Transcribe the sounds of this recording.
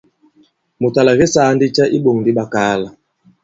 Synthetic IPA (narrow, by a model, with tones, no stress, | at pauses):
mu˨ta˨la˨ɣɛ˦saː˨˦ndi˦t͡ʃa˦ʔi˦ɓo˨ŋn˨di˦ɓa˦kaː˨˦la˨